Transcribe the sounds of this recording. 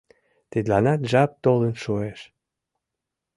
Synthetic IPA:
t̪ed̪lɑnɑt̪ʒɑp̚t̪olənʃueʃ

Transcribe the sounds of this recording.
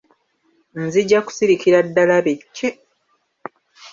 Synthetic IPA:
nziɟːaku̥siɾikiɾadːalaβecːe

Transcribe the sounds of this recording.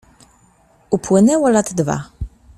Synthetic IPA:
upwɘnɛwɔlad̪d̪va̰

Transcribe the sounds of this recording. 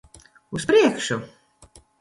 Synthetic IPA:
uspɾiɛkʃu

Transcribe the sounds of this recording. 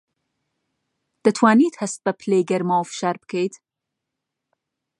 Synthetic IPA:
d̪̥ət̪ʰwaːniːt̪hɐst̪̚bɐpʰleːɡɐɾmawfʃaɾbkʰejd̪

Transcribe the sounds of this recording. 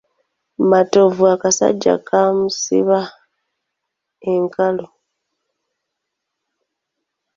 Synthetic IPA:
mato̞vuakasa̰ɟːa̰kʰamusḭβa | eŋkalo

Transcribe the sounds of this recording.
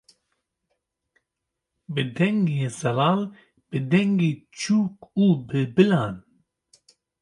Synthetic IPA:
bɨd̪ɛŋɡeːzɛlɑːl | b̥ɨd̪ɛŋɡeːt͡ʃʰuːkuːbɨbɨlɑːn

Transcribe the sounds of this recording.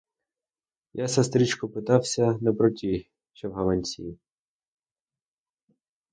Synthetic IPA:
jʔasɐst̪ɾʲit͡ʃkɔpɪt̪ɑwsʲɐnɛpɾɔtʲi | ʃt͡ʃɛwɦɐlˠɐnʲsʲḭ

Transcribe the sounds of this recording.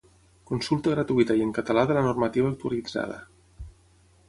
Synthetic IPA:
kunsulˠt̪əɣɾat̪uit̪əjəŋkət̪əlaðələnurmət̪iβaːk̚t̪ualid͡za̰ð̞ə̰

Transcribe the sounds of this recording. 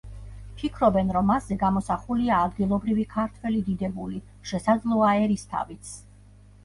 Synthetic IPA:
pʰikʰɾɔbɛnɾɔmːasːɛɡamɔsaχuliaːd̪ɡilˠɔbɾivikʰaɾt̪ʰwɛlid̪id̪ɛbuli | ʃɛsad̪zlˠɔaɛɾist̪ʰa̰vit̪sʰ

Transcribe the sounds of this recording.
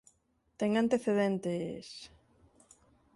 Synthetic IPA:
t̪ɛŋant̪eθeðent̪es

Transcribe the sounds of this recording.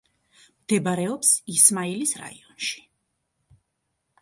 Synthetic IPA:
md̪̥ɛbaɾɛɔpsismailisɾa̰ḭɔnʃi̥

